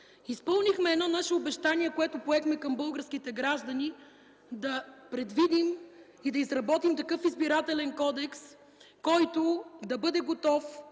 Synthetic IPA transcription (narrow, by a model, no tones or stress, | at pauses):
ispɤlˠnixmɛːd̪nɔnaʃɛobɛʃt̪aniɛkoɛt̪ʊpoɛxmɛkɐmbɤlˠɡəɾsk̟it̪ɛɡɾaʒd̪ɐni | d̪ɐpɾɛd̪vid̪im | id̪ɐizɾɐbɔt̪imt̪ɐkɤfizbiɾat̪ɛlɛnkɔd̪ɛks | kɔjt̪ʊd̪ɐbɤd̪ɛɡot̪ɔf